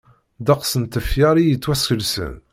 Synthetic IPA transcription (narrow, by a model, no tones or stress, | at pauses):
d̪ɑqsənt̪əfjɑɾijət͡sːwæskəlsə̰n